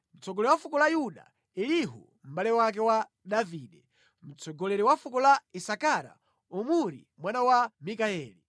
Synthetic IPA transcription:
m̩t͡sɔɡɔlɛwafukɔlajuɗa̰ | iliɦṵ | m̩ɓalɛwak̬ɛwa | ɗaviːɗɛ | m̩t͡sɔɡɔlɛɾɛwafukɔlaisakaɾa̰ | umuɾḭmwanawamikaɛːli

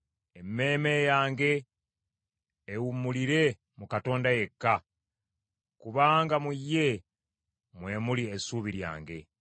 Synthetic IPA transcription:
e̞mːe̞ːme̞jaːŋɡe̞ | wumːuliɾe̞ | mukato̞ːndaje̞kːa | kuβaːŋɡamujːe̞ | mwe̞muliesuːβiɾja̰ːŋɡe̞̰

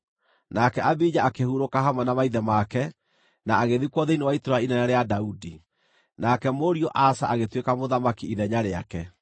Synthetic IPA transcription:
nakɛabid͡ʑaakehuɾokaɦamwanamaiðɛmakɛ | naaɣeðikwɔðeinewaitoɾainɛnɛɾeadaudi | nakɛmoɾiɔʔasaʔaɣetwekamoðamakiiðɛɲaɾea̰kɛ

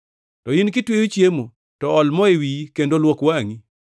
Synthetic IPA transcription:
tɔinkɪtwewut͡ʃjemo | tɔɔlmɔewikendolwokwaŋi

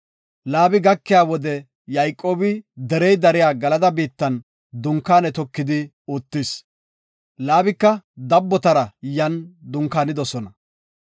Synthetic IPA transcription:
laːbɪɡɐkːɪjaːwɔd̪ɛ | jɐjkʼːoːbɪd̪ɛɾɛjd̪ɐɾɪjaːɡɐlɐd̪ɐbiːt̪ːɐn | d̪ʊŋkːaːnɛt̪ɔkːɪd̪ɪ | oːt̪ːɪs | laːbɪkːɐd̪ɐbːɔt̪ɐɾɐjɐnd̪ʊŋkaːnɪd̪ɔsɔnɐ

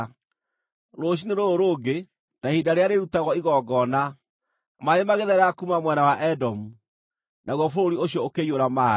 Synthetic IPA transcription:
ɾoɕ̬ineɾooɾoːɡe | tahidaɾeaɾeɾutaɣɔiɣɔːɡɔna | maemaɣeðɛɾakumamwɛnawaʔɛdɔmu | naɣwɔfoɾoɾioɕjɔokejoɾama

